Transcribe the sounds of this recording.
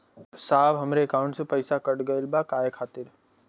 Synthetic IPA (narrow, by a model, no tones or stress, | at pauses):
saːʋɦɐmɾeːkaːʊ̃ɳʈsepəɪsakɐɽɡɐɪlbakaːjekʰaːt̪ɪɾ